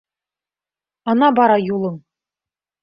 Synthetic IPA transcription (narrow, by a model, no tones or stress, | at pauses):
ɑnɑbɑɾɑjulˠɤ̆ŋ